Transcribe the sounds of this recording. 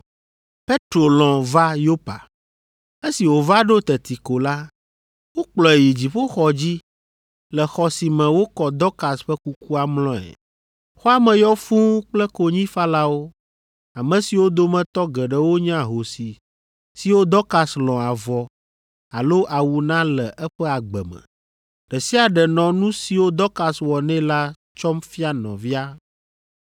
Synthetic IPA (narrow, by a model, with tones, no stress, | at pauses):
pe˦t̪ɾo˨lɔ̃˨va˦jo˦pa̰˨ | e˦si˨wo˨va˦ɖo˦t̪ɛ˨t̪i˨ko˨la˦ | wo˦k͡plɔ˨e˨ji˨d͡ʑi˨ɸo˦xɔ˨d͡ʑi˦ | lɛ˨xɔ˨si˨mɛ̃˨wo˦kɔ˨d̪ɔ˦ka˨sɸɛ˦ku˦ku˦a˨mlɔ̃˦ɛ̰˨ | xo˦a˦mɛ̃˨jɔ˦fũ˦k͡plɛ˦ko˨ɲĩ˦fa˦la˦wo˦ | a˨mɛ̃˨si˨wo˦d̪o˦mɛ̃˨t̪ɔ˦ɡɛ˨ɖɛ˦wo˦ɲ˦a˨ɦo˨si˨ | si˨wo˦d̪ɔ˦ka˨slɔ̃˨a˨vɔ˨ | a˨lo˦ʔa˨wu˨nã˦lɛ˨ʔɛ˦ɸɛ˦a˨ɡ͡bɛ̰˨mɛ̰̃˨ | ɖ̥ɛ˨si˦a˨ɖɛ˨nɔ̃˨nũ˦si˨wo˦d̪ɔ˦ka˨swɔ˨nɛ̃˦la˦ | t͡ʃɔ˦mfi˦a˦nɔ̰̃˨vi˦a˦